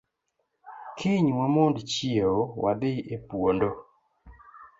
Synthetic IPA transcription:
kʰɪɲwamondt͡ʃieowʔa̰dɪʔepwondo

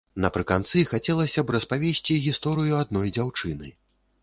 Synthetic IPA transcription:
nɐpɾɨkant̪sɨxat͡sʲɛlˠɐsʲɐbɾɐspavʲesʲt͡sʲiɣʲist̪ɔɾɨjuad̪̚nɔjd͡zʲawt͡ʂɨnɨ

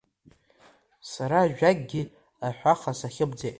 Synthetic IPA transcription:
saɾaːʒᶣaɡ̚ʼɡʲi | aħʷaχasaχʲɪbd͡zejtʼ

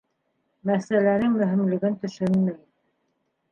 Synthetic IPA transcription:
mæsælænɘŋmɵ̆ɦɘ̆mlɘ̆ɡɘnt̪ɵ̆ʃɵnmæj

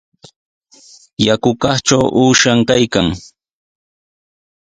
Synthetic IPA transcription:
jakʊkɑχt͡ʃawʔuːʃaŋkajkaŋ

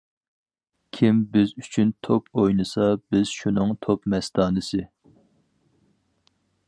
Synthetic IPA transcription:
kʲʰimbɪzyt͡ʃʰynt̪ʰopʰojnɨsɑbɪz̥ʃunɨŋt̪ʰopmɛst̪ɑːnɨsɨ

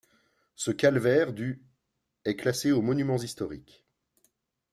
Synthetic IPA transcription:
səkalvɛʁd̪y | ɛklaseomɔnymɑ̃zist̪ɔʁik

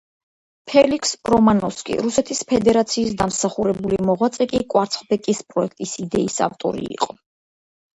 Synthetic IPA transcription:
pʰɛlikʰsɾɔmanɔskʼḭɾusɛt̪ʰispʰɛd̪ɛɾat̪sʰiːsd̪amsaχuɾɛbulimɔʁwat̪sʼɛkʼikʼwaɾt̪sʰχbɛkʼispʼɾɔɛk̚ʰt̪ʼisid̪ɛisa̰vt̪ʼɔ̰ɾḭːqʼɔ

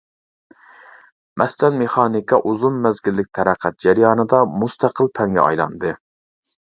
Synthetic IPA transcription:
mʔɛslɛnmeχɑːnikʰɑʔuzunmɛzɡʲɪlːɪk̚ʲt̪ʰæɾæqʰæt̪̚d͡ʒæɾjɑːnɨd̪ɑmust̪ʰæqʰəlˠpʰɛŋɡʲɛ̰ɑ̰jlˠɑ̰nd̪ɨ

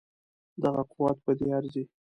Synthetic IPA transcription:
d̪aɣaqʊwɑt̪̚pəd̪eaɾzi

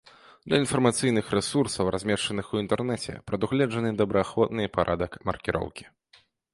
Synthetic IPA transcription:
d̪̥lʲɐinfɐrmat̪sɨjnɨxɾɛsursɐwrʔazʲmʲɛʂt͡ʂɐnɨxuint̪ɛrnɛt͡sʲɛ̰pɾɐd̪uɣlʲɛʐɐnɨd̪ɐbɾɐaxvɔt̪nɨpaɾʔad̪ɐkmɐ̰rkʲiɾʔɔ̰wkʲi̥

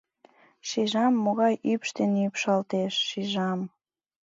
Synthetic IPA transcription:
ʃiʒɑmːoɣɑjʔypʃt̪enypʃɑlt̪eʃːiʒɑm

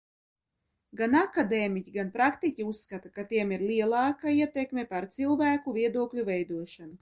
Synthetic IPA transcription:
ɡanakad̪eːmicʲiɡanpɾakt̪icʲiusːkat̪akat̪iɛmiɾliɛlˠɑːkaiɛt̪ɛkmʲepaɾt̪silˠvæːkuviɛd̪uɔklʲuvɛjd̪uɔʃanu

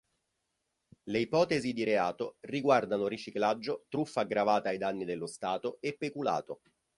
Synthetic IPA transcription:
leipɔːt̪ezid̪iɾeaːt̪oriɡward̪anoɾit͡ʃiklad͡ʒːot̪ɾufːaːɡɾavaːt̪aajd̪anːid̪elːost̪aːt̪oepːekula̰ːt̪o

